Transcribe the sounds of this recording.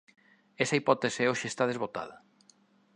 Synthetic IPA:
ɛsɐipɔt̪eseoʃɪest̪að̞ezβot̪a̰ð̞ɐ

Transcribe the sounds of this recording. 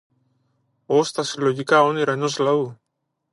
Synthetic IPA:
ost̪asiloʝikaoniɾaenoslau

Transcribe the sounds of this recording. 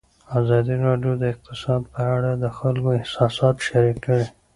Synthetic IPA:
azɑd̪iɾɑɖjod̪əɪq̚t̪ɪsɑd̪̚pəaɽad̪əxalkoɪhsɑsɑt̪ʃaɾikːəɽi

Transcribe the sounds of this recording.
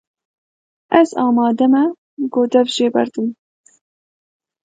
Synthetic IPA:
ɛzɑːmɑːd̪ɛmɛ | ɡoːd̪ɛvʒeːbɛ̰ɾd̪ɨm

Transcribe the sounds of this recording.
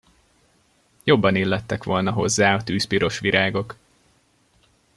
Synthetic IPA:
jo̞bːɒnilːɛt̪ːɛkʋo̞lnɒɦo̞̰zːaːɒt̪yːspiɾo̞ʃʋiɾʔaːɡo̞k

